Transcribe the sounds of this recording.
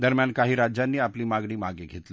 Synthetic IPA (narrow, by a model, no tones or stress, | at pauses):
d̪əɾmjankaɦiːɾad͡ʑjanːiːapliːmaɡɽ̃iːmaɡeɡʱet̪l